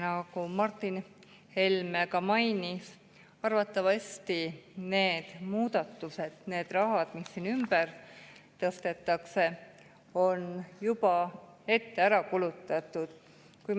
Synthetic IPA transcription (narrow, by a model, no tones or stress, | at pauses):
nɑkumɑrt̪ˑːin | he̞lmekɑmɑjnis | ɑrvɑt̪ːˑɑvɑsʲt̪ine̞ːd̪̥muːd̪ɑt̪ːˑuse̞d̪̥ne̞ːd̪̥rɑɦɑd̪̥misːiːnymbərt̪ɤst̪e̞t̪ːˑɑkse̞ | o̞njub̥ɑe̞t̪ːe̞æɾɑkulut̪ːˑɑt̪ːˑud̪̥ | kuj